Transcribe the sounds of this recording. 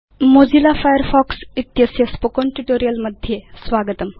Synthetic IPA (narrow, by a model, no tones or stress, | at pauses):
mod͡ʑilafajəɾfɔksit̪jəsjəspokoɳʈuʈoɾijəlməd̪ʱjesʋaɡət̪əm